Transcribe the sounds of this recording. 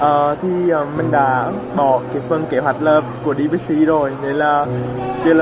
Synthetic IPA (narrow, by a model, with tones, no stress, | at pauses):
ʔəː˨˩t̪ʰi˨˩ʔəː˨˩mï˨˩ŋ̟ɗa̰ː˧˦ | ɓɔ˧˩˦ka˨˦fɨ˨˧əŋke˧˩ɦwa˨˩jt̟̚ləː˧p̚ku˧˩əɗi˧ɓi˦˥k̚si˧˦zo˨˩jne˨˦laː˨˩ | ki˧l